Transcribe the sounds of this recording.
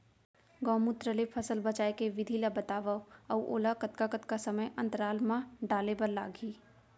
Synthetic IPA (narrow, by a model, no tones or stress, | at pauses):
ɡɔːmut̪ɾəlepʰəsəlbət͡ʃaːjkeʋɪd̪ʱilabət̪aːʋawʔo̰ːlakət̪kakət̪kasəməjʔɐ̃nt̪əɾaːlmãɖaːlebəɾla̰ːɡiː